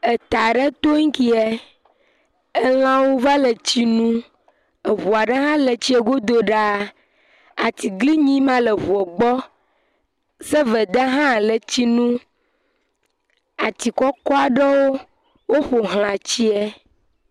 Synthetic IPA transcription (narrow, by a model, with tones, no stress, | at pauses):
e˨t̪a˨ɖə˦t̪o˦ŋ̩˦ki˦ɛ˦ | ə˦l̃ã˦wo˦va˦lə˨t͡ɕi˦nũ˦ | ə˨βu˨a˨ɖə˦ɦã˦le˨t͡ɕi˦ɛ˦ɡo˦d̪o˦ɖa˦˨ | a˨t̪i˨ɡli˦ɲĩ˦mã˦lə˨βu˨ɛ˨ɡ͡bɔ˦ | sə˦və˨d̪ə˦ɦã˦˨lə˨t͡ɕi˦nũ˦ | a˨t̪i˨kɔ˦kɔ˦a˨ɖə˦wo˦ | wo˦xo˨ɦl̃ã˨t͡ɕi˦ɛ˦